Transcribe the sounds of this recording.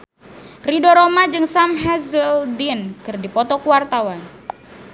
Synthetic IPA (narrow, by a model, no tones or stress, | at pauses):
ridoɾomad͡ʒɨŋsamɦɛzəldinkɨrdipɔt̪ɔkuwart̪awan